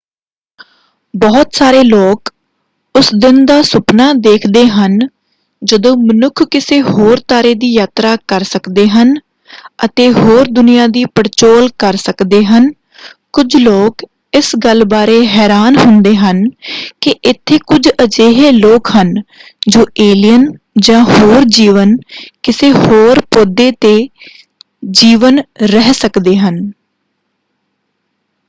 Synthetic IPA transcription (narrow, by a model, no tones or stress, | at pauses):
bɔːt̪saːɾeːloːk | ʊsd̪ɪnd̪aːsʊpnaːd̪eːkʰd̪eːɦən | d͡ʒəd̪õːmənʊkʰkɪseːɦoːɾt̪aːɾeːd̪iːjaːt̪ɾaːkəɾsəkd̪eːɦən | ət̪eːɦoːɾd̪ʊnijaːd̪iːpəɾt͡ʃoːlkəɾsəkd̪eːɦən | kʊd͡ʒloːk | ɪsɡəlbaːɾeːɦɛːɾaːnɦʊnd̪eːɦənkɪʔɪt̪ʰːeːkʊd͡ʒəd͡ʒeːɦeːloːkɦən | d͡ʒoːʔeːlijən | d͡ʒãːɦoːɾd͡ʒiːʋənkɪseːhoːɾpoːd̪eːt̪eː | d͡ʒiːʋənɾɛɦsəkd̪eːɦən